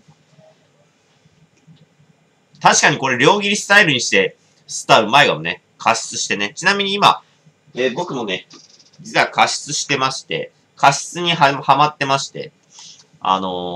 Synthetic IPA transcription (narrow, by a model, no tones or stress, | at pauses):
t̪aɕi̥kaɲ̟iko̞ɾe̞ɾʲo̞ːɡʲiɾʲisɨ̥t̪aiɾɯ̟ɲ̟iɕi̥t̪e̞ | sɨ̥t̪aɯ̟maeɡamone̞̰ | kʰaɕi̥t͡sɨɕi̥t̪e̞ne̞t͡ɕinamʲiɲ̟iːma̰ | ebo̞kɯ̟mo̞ne̞ | iakaɕi̥t͡sɨɕi̥t̪e̞maɕi̥t̪e̞̰ | kaɕi̥t͡sɨɲ̟iɦahamat̪ːe̞maɕi̥t̪e̞̰ | a̰no̞